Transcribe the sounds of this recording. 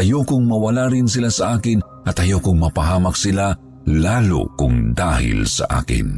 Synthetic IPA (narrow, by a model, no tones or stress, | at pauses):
ʔɐjokʊŋmɐwɐlaɾɪnsɪlasɐʔaːkɪn | ʔɐt̪ɐjokʊŋmɐpɐɦaːmɐk̚sɪla | laːlo̰kʊŋd̪aːhɪ̰lsɐ̰ʔa̰ːkɪ̰n